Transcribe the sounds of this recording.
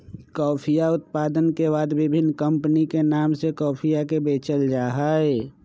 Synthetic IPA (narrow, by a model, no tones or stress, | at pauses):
kɔːpʰijaʊt̪paːd̪ənkebaːd̪bɪbʱɪnːkə̃mpənikenaːmsekɔːpʰijakebeːt͡ʃəld͡ʒaːɦaːe